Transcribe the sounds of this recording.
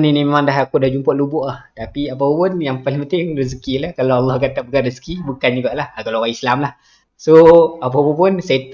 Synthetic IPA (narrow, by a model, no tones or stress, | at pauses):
ninimemandaɦakudahd͡ʒumpɔʔlubʊʔaht̪apiapapʊnjaŋpaliŋpənt̪ɪŋris̬kilahkalaalːɑhkat̪aʔbəkaɾəsə̥kibukand͡ʒuɡaʔlahakalaaislamlah | soap̬apapʊnsat̪